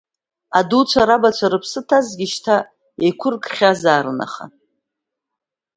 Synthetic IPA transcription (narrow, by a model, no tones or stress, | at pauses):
adut͡ʃʷʰaɾabat͡ʃʷʰaɾɨpʰsɨtʰazɡʲiʃtʰa | ekʷʰʊrkʰʼχʲazaːɾɨna̰χa̰